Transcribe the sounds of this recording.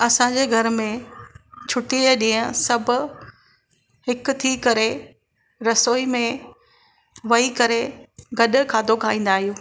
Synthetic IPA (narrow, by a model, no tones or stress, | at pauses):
ɐsãd͡ʑeːɡʱɐɾmẽ | t͡ɕʰʊʈiɗĩːə̃sɐbʱʊ̆ | hɪkʊt̪ʰikɐɾe | ɾɐsoːimẽ | ʋɐikɐɾeɡɐɗkʰãːd̪ʱokʰaːĩːn̆d̪aːɦijũː